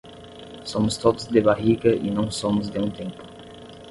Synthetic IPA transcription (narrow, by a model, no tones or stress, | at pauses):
somʊst̪od̪ʊzd̪eβaʁiɡɐʔḭnɐ̃w̃somʊz̬d̪eũt̪ẽmpʊ̥